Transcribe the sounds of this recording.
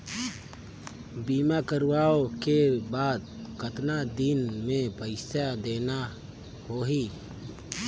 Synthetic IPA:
biːmakəɾwaːokebaːd̪̚kət̪nad̪inmẽpəɪsad̪eːna | hoːɦi

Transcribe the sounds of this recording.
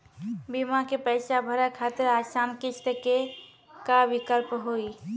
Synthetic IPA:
bimakepəɪsabʱəɾɛkʰat̪əɾasankit͡ʃʰt̪əke | kabikəlpɦoi

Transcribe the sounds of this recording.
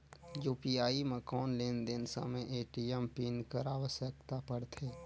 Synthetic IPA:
juːpiaːimẽkɔːnleːnd̪ɪnsə̰məʔeːʈiɛmpiːnkəɾaːʋəsjəkt̪apəɽt̪ʰeː

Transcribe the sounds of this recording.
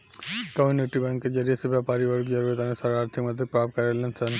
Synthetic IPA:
kəmuneʈibɛ̃ŋkːed͡ʒɐɾijesebjapaɾiʋəɾkd͡ʒɐɾuɾət̪anusaɾaːɾt̪ʰikmɐd̪ʱipɾapt̪̚kɐɾelensɐn

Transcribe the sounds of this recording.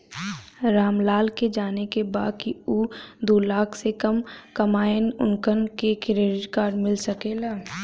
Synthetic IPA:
ɾaːmlaːlked͡ʒaːnekebaːd̪̚kiuːd̪oːlaːkʰsekɐmkɐmaːənʊ̰nkənkekɪɾeːɾɪd͡ʒkaːɾmɪlsɐkeːlaː

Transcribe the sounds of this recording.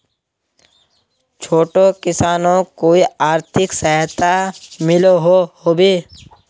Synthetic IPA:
t͡ʃʰoːʈokɪsaːnõkoːiaːɾt̪ʰɪksəɦt̪ʰamɪloɦohoːbeː

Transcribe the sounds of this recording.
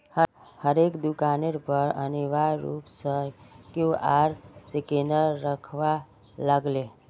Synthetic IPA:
h | həɾekd̪ukaneɾpəɾəniʋaɾɾṵːpsə̃kjuʔaɾsekenəɾːəkʰʋa | ləɡle

